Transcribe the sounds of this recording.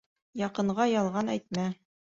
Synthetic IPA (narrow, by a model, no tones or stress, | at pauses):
jɑqɤ̆ɴʁɑjɑlˠʁɑnæ̰jt̪̚mæ